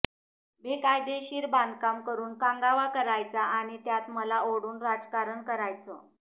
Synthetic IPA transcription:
bʱekajd̪eɕiːɾband̪kamkəɾuːnkãŋɡaʋakəɾajt͡saʔaɽ̃it̪jat̪məlaoɽuːnɾad͡zkaɾəɳkəɾajt͡sə̰

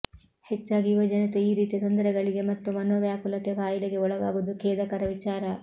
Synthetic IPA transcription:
het͡ʃːaːɡiːʋɐd͡ʒɐnɐt̪eiːɾiːt̪it̪ond̪ɐɾɛɡɐɭiɡe̞mɐt̪ːumɐnʋɐʋjaːkulɐt̪eɡaːjileɡe̞ɔɭɐɡaːɡud̪ukeːd̪ɐkɐɾɐʋit͡ʃaːɾɐ

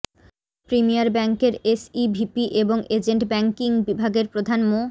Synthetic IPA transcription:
pɾimijaɾbɛŋkeɾesibʱipiʔeboŋed͡ʑeɳʈbɛŋkiŋbibʱaɡeɾpɾod̪ʱanmo

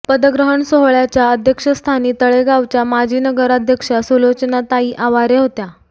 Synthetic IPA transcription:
pəd̪əɡɾəɦəɳsoɦɭjat͡ɕjaəd̪ʱjəkʂəst̪ʰaniːt̪əɭeɡaʋt͡ɕjamad͡ʑʱiːnəɡəɾad̪ʱjəkʂasulot͡ɕənat̪aiːʔaʋaɾeɦot̪ja

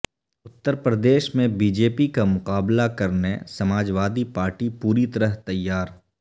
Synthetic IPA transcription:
ʊt̪ːəɾpɾəd̪eːʃmẽbiːd͡ʒeːpikamʊqaːblakɐɾnesɐmaːd͡ʒʋaːd̪ipaːɾʈipuːɾit̪ɐɾəɦt̪ɐjːaːɾ

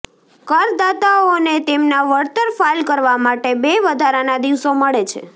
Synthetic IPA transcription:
kəɾd̪at̪aonet̪emnaʋəɾt̪əɾfalkəɾʋamaʈebeʋəd̪ʱaɾanad̪iʋsoməɭet͡ʃʰḛ

